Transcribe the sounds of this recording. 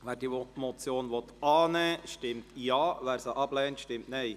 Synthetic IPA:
ʋæːɾd̥iːʋɔtmɔt͡sjoːnʋɔt̪ɑːnɛːʃtɪmtjɑːʋæːɾsəʔɑb̥lɛːntʃtɪmtnɛɪ

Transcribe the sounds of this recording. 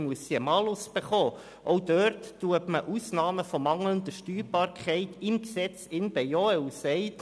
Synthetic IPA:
muəsiəmɑːlʊsb̥eχoː | ʔɔwd̥œɾtːuəpməʔusnɑːməfɔmɑŋlənd̪əʃtyːɾb̥ɑːɾkʰχɛɪtɪmksɛt͡sɪnb̥ɛjɔɛwsɛɪt

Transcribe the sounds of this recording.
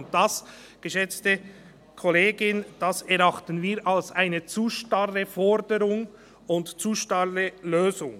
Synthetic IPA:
nt̚d̥ɑs | ɡ̥əʃɛt͡stə | kʰɔleːɡɪnd̥ɑsɛʁɾɑχtənviːɾʔalsaɪnət͡suʃtɑrəfɔɾdəɾʊŋ | ʊntt͡suːʃtɑrəløːzʊŋ

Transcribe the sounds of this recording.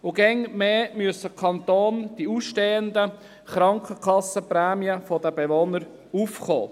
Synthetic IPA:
ʊɡɛŋmeːmyəsəkʰɑnt̪oːnd̥iuːsʃteːənd̪ə | χɾɑŋkʰəkʰɑsːəprɛːmiəfɔd̥̪əbeʋonəɾ | uːfχo̰ː

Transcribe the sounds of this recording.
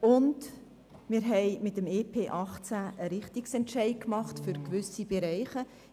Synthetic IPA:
ʊnd | mɪɾɦɛɪmɪtəmeːpʰeːʔɑχt͡sæʔəɾɪχt̪iksɛntʃɛɪkmɑχtfʏɾkʋʏsib̥ɛɾɛɪχə

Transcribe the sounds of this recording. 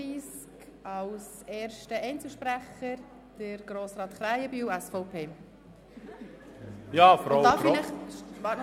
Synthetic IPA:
iːsk | ɑws | eːɾʃtəɛɪnt͡səʃpɾæχəɾ | d̥əɾɡ̥ɾoːsɾɑːt̪χɾæɪəbyːwɛsfɔʊpʰeː | jɑːfɔɾɑld̪ɑːflɪχʋɑːɾtn

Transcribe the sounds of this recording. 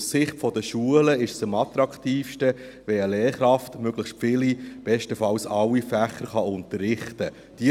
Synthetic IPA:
ssɪχtfɔdəʃuələɪʃsəmɑt̪ɾɑktiːfʃtə | ʋɛəleːɾχɾɑftmøɡ̥ləχʃtfɪlib̥ɛʃtəfɑwsɑwːifæχːəɾχɑʊntəɾːɪχtə | d̥i

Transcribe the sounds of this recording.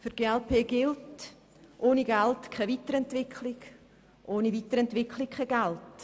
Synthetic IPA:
fʏɾɡ̥eːɛlpʰeːɡɪlt | ʔoːniɡɛltkʰɛviːtəɾɛntvɪkʰlɪɡ | ʔoːniviːtəɾɛntv̥ɪkʰlɪk̚kʰɛɡɛlt

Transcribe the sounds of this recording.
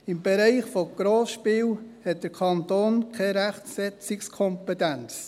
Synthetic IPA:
ɪmbɛɾɛɪχfoɡ̥ɾoːsʃpiːwhɛt̚d̥əɾkʰɑntoːnkʰɛɾæχtsɛt͡sɪkskʰɔmpetænt͡s

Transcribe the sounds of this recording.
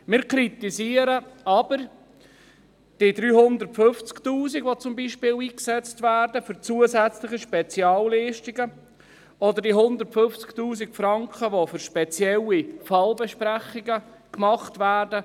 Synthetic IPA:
mɪːɾkɾit̪isiːəɾəɑb̥əɾ | d̥idɾyːɦʊnd̪əɾtfɵft͡sktuːsiɡʋot͡sʊmbiːʃpɪːliːksɛt͡stvæːrdəfɵɾt͡suːəzæt͡slɪχiʃpɛt͡sjɑːlːiːʃtiɡə | ɔd̪əɾdiɦʊnd̪əɾtfɵft͡sktuːsikfɾɑŋkχəʋofʏɾʃpɛt͡sjɛlifɑlbɛʃpɾæχiɡə | kmɑχtvæːrdə

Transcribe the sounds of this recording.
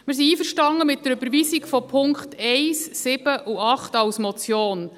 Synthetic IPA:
mɪɾs̬iiːfəɾʃtɑŋːəmɪt̚dəɾøbəɾʋiːsikfɔpʰʊŋkχtʰɛɪsːɪb̥əʔuɑχtɑwsmɔt͡sjoːn

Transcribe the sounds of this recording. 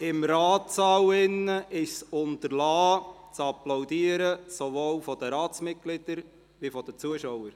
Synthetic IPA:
ɪmɾɑːt̪sɑwɪnːəʔɪʃsʊnt̪əɾlɑː | t͡sɑplawd̪iːəɾəsovoːwfɔd̥̪əɾɑːt͡smɪt̚ɡ̥lɪd̥̪əɾ | ʋifɔd̥ət͡suəʃɔwəɾ

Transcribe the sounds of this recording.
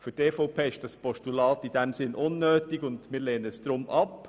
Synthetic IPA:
fʏɾtɛːfɔʊpʰeːɪʃd̥ɑspɔʃtulɑːtid̥ɛmsɪnʔʊnːøːtiɡʊndmɪːɾleːnəəsd̥̪ɾʊmʔɑp

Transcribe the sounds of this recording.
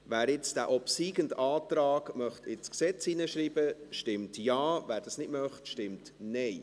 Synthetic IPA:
ʋæːɾɪt͡sd̥æːʔɔpsiːɡəndaːtɾɑːɡmœχtʰɪt͡sksɛt͡siːnəʃɾiːbəʃtɪmtjɑːvæːɾd̥ɑsnɪdmœχtʃtɪmtnɛɪ

